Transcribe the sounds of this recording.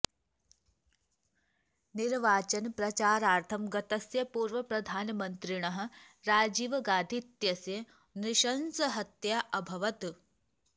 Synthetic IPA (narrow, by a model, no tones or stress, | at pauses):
niɾʋaːt͡ʃɐnpɾɐt͡ʃaːɾaːɾt̪ʰɐmɡɐt̪ɐsjɐpuːɾʋɐpɾɐd̪ʱaːnmɐnt̪ɾiɳɐɦɐ̆ | ɾaːd͡ʒiːʋɐɡaːd̪ʱit̪jɐsjɐ | niʃɐnsɐɦɐt̪jaʔɐbʱɐʋɐt̪